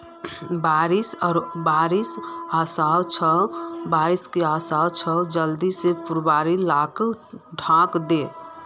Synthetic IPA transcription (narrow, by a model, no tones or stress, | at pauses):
baɾisɔɾbaɾisasat͡ʃʰəbaɾiskeasat͡ʃʰəd͡ʒəld̪isepuɾbaɾilakɖʱãkd̪e